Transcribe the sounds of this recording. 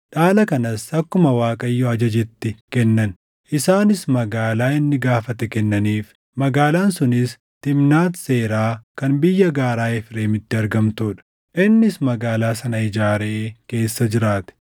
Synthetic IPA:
ᶑaːlɐkɐnɐsɐkːʊmɐwaːkʼɐjːɔɐd͡ʒɐd͡ʒɛt̪ːɪkɛnːɐn | ʔɪsaːnɪsmɐɡaːlaːɪnːɪɡaːfɐt̪ɛkɛnːɐniːf | mɐɡaːlaːnsʊnɪs | t̪ɪmnaːt̪se̞ːɾaːkɐnbɪjːɐɡaːɾaːɛfɪɾeːmɪt̪ːɪɐɾɡɐmt̪uːᶑɐ̥ | ʔɪnːɪsmɐɡaːlaːsɐnɐɪd͡ʒaːɾeːke̞ːsːɐd͡ʒɪɾaːt̪ɛ̥

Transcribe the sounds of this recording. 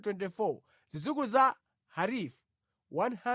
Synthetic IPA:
twɛ̃ntifɔ | zid͡zukuza | haɾif | wãnhã

